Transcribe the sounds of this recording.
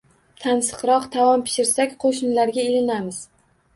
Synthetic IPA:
t̪ʰansɨ̥qɾɒqt̪ʰavɒmpʰɪ̥ʃɪɾsakʲqʰoʃɪnlaɾɡʲaelɪnamɪz̥

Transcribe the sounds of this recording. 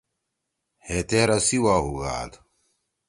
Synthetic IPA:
het̪eɾɐsiwaːɦuɣa̰ːd̪

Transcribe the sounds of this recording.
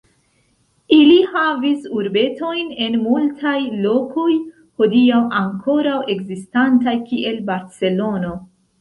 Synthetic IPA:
ilihavisuɾbe̞to̞jne̞nmultʰajlo̞ko̞j | ho̞diawaŋkʰo̞ɾawe̞ɡzistantajkiʔe̞lbaɾt͡se̞lo̞no̞

